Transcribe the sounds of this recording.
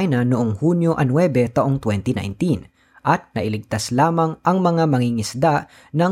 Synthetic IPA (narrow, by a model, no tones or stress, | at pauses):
jnɐnʊʔoŋhunjoʔɐnwɛbɛt̪ɐʔoŋt̪wɛnt̪ɪna̰jnt̪in | ʔɐt̪̚nɐʔɪlɪɡ̚t̪aslaːmɐŋʔɐŋmɐŋamɐŋiŋɪsd̪aʔ | nɐ